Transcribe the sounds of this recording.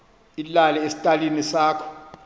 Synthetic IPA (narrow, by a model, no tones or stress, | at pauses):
ilalɛesi̥tʼalinisaːkʰɔ̥